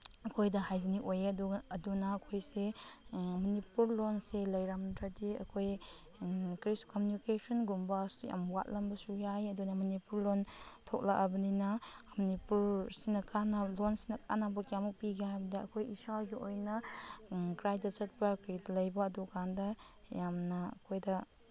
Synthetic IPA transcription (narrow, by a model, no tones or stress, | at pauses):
ɐkʰojdɐhajziniʔojeɐduɐdunɐːkʰojse | mɐnipuɾlonselɐjɾamtɾadiɐ̰kʰoj | kɾiskɔmjunikesɔnɡumbɐsuja̰mwa̰t̚lɐmbɐsujajɐdunɐmɐnipuɾlontʰok̚lakʔɐbɐninɐmunipuɾsinɐkʰanɐlonsinɐkʰa̰nabɐkjamupiɡeajbɐdɐɐ̰kʰojisaɡiojnɐ | kɾajdɐt͡ʃɐt̚pɐkɾidɐlɐjbɐːdukandɐjamnɐɐ̰kʰojdɐ